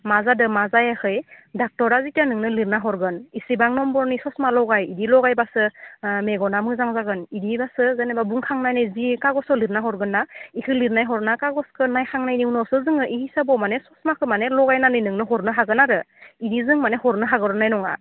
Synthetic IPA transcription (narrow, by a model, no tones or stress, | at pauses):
mazadɯmazajakʰɯjdak̚tɔɾazitanɯŋnɯliɾnaɦɔɾɡɯnisibaŋnɔmbɔɾnisɔsmalɔɡajidilɔɡajbasɯmeɡɔnamɯzaŋzaɡɯnidibasɯzanebabuŋkʰaŋnajnɯjzikaɡɔsɔliɾnaɦɔɾɡɯnːaikʰɯliɾnajɦɔɾnakaɡɔskʰɯnajkʰaŋnajniwnɔsɯzɯŋɯʔihisabɔmanesɔsmakʰɯmanelɔɡajnanɯjnɯŋnɯɦɔɾnɯɦaɡɯnaɾɯ | idizɯŋmanehɔɾnɯɦaɡɯɾɔnajnɔŋa̰